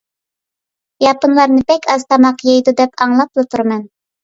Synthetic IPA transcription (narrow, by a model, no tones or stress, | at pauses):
jɑpɨnlˠɑɾnɨpɛkʲʰɑz̥t̪ʰɑmɑqjɑjd̪ud̪ɛpʰɑŋlˠɑplˠɨt̪ʰuɾmɛn